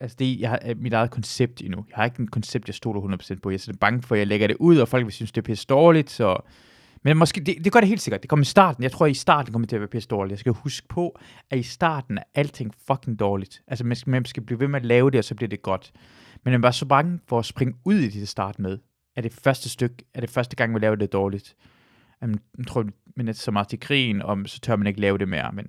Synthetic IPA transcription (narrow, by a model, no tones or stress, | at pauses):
ælsəd̥e̝jɑɪhɑmid̥ɑ̈ɪð̩ˠkʰɒ̽nseb̥̚d̥inujɑ̈hɑ̈e̝ɡ̥əne̥kʰɒ̽nseb̥̚d̥jɑ̈ɪsd̥o̝̰ːlɐhunð̩ˠpʰo̥sḛnd̥̚pʰɒ̽jɑsd̥eb̥ɑ̈ŋəfɒ̽jɑ̈ɪleɡ̥ɐɾ̥e̝ʔuð̞̰ˠɒ̽fɒ̽l̰ɡ̥ʋe̝synsd̥e̝pʰesd̥d̥ɒːlid̥sɒ̽ | menmɒ̽sɡ̥e̝̰ːd̥e̝d̥e̝ɡ̥ɶɐɾeɦe̝ːldse̝ɡ̥ɐd̥ekʰɒ̽mɐisd̥ɑ̰̈ːd̥n̩jɑ̈ɪt͡sʰʁo̝ɐ̰isd̥ɑ̰̈ːd̥n̩kɒ̽mɐt͡sʰe̝ɐʋæɐpʰesd̥ɒːlid̥jaɪsɡ̥æhusɡ̥̚pʰɒ̽ | ʔæisd̥ɑ̰̈ːd̥n̩æɐʔæl̰t͡sʰe̝ŋ̰fɒ̽kʰe̝ŋd̥ɒːlid̥ʔælsəmænmænsɡ̥æb̥liːʋe̝meælɛːʊdɾe̝ɒ̽sɒ̽b̥liɐd̥e̝ɡ̥ɒ̽d̥ | menmænʋɑsɒ̽b̥ɑ̈ŋəfɒ̽ːsb̥ʁeŋəuð̰ˠid̥ed̥sd̥ɑ̰̈ːd̥með̞ˠ | æɐd̥e̝fɶɐsd̥əsd̥øɡ̥æɐɾ̥e̝fɶɐsd̥əɡ̥ɑ̈ŋ̰ʋilɛːʊd̥ed̥ɒːlid̥ | æmænmnt͡sʰo̝ɐ̰mænedsɒmɑ̈ːð̩ˠt͡sʰekʰʁḭːnɒsɒ̽t͡sʰøɐmæne̝ɡ̥əlɛːʊɾ̥e̝mḛːɐ̰men